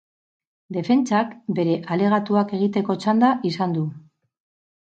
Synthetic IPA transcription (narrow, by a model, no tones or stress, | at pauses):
d̪e̞fe̞nt͡sakbe̞ɾe̞ʔale̞ɣ̞at̪uake̞ɣ̞it̪e̞ko̞t͡ʃand̪aʔisand̪u